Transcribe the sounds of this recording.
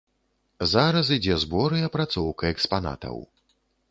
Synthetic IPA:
zaɾɐs̬id͡zʲɛzbɔɾɨjɐpɾat̪sɔwkɐɛkspana̰t̪ɐ̰w

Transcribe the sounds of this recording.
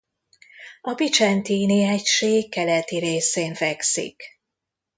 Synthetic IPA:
ɒbit͡ʃɛnt̪iːniɛcʃeːkːɛlɛt̪iɾeːseːnfɛksḭk

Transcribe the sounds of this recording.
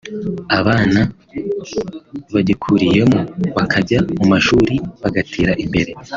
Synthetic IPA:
aβaːna | βaɟikʰuɾije̞muβakʰaɟamumaʃuɾiβaɡatʰiːɾaʔimbe̞ɾe̞

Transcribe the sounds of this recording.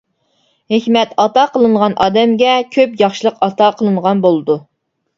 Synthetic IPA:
hekʲmɛt̪ɑt̪ɑqʰəlˠɨɴʁɑnʔɑ̰ːd̪ɛmɡʲɛkʲʰøpjɑχʃilˠəqɑt̪ɑqʰəlˠɨɴʁɑnbolˠɨd̪u

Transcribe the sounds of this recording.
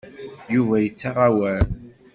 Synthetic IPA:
juvæjət͡sːɑrˤːɑwæl

